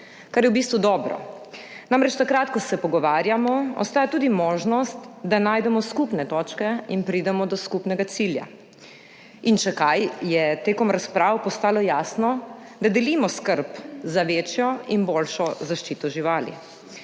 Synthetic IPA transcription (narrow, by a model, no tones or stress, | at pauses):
kaɾjɛwbiːst̪ʋud̪ɔːbɾɔ̰ | naːmɾɛt͡ʃt̪akɾat̪kɔsɛpɔɡɔʋaːɾjamɔɔ̰st̪aːjat̪uːd̪imɔːʒnɔst̪d̪anaːjd̪ɛmɔskupnɛt̪ɔːt͡ʃkɛinpɾiːd̪ɛmɔd̪ɔskupnɛɡat̪silja̰ | int͡ʃɛkajjɛt̪eːkɔmɾaspɾaːwpɔst̪aːlɔjaːsnɔ | d̪ad̪ɛliːmɔskəɾpzaʋeːt͡ʃjɔinbolʃɔzaʃt͡ʃiːt̪ɔʒiʋaːlḭ